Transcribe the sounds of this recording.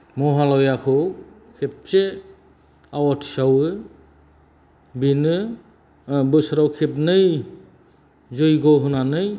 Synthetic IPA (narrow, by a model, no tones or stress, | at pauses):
mɔɦalɔjakʰɯ | kʰep̚se | awɔtʰsawɯ | binɯ | bɯsɾawkʰep̚nɯj | zojɡɔɦunanɯj